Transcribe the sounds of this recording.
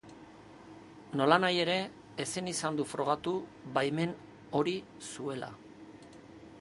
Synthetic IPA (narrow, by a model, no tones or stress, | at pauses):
no̞lanaje̞ɾe̞ː | sinisand̪ufɾo̞ɣ̞at̪uβajme̞n | o̞ɾi | sue̞la̰